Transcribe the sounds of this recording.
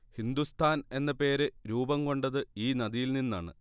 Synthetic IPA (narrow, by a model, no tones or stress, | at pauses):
hind̪ust̪ʰaːne̞nːɐpe̞ːɾɨɾuːbɐmko̞ɳɖɐðɨiːnɐðijilninːaːɳɨ̰